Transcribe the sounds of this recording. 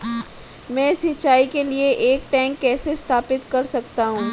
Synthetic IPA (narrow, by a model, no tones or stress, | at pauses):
mɛ̃ːsit͡ʃːaːikelieʔeːk̚ʈɛ̃ːŋkːɛːsest̪ʰaːpɪt̪kɐɾsɐk̚t̪aɦũː